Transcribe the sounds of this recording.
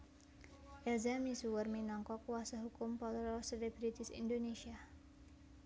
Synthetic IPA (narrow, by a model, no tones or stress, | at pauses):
ʔɛlzamisuwərminɔŋkɔkwasaɦukʊmpɔt̪ɾɔselebɾit̪isḭndonesia